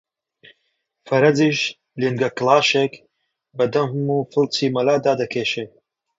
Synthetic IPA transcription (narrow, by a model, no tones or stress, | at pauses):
fɐɾɐd͡ziːʃ | linɡɐklaːʃek | bɐd̪ɐmhɨmuːfɨlt͡sʰiːmɐlaːd̪aːd̪ɐkʰeːʃe